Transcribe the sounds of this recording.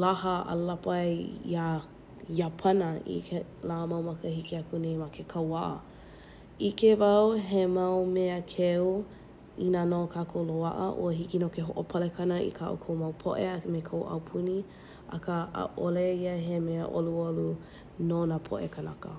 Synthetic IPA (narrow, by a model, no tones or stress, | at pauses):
lahəə̰lɐpjja | japʰɐnəḭke | lamɐwmɐkəhikiakʰunemakʰekʰawaʔə̰ | ikevɐwɦemɐwmeəkʰeu | inanokʰakʰowloa̰ʔə̰ʔṵəɦikinokeɦoʔopʰɐlekʰɐnəʔḭkʰaʔo̰kʰowmɐwpʰo̰ʔeɐmekʰowʔɐ̰wpʰuni | ɐ̰kəə̰ʔoleiəɦemeə̰ʔoluolu | nonapʰo̰ʔekʰənɐkə̰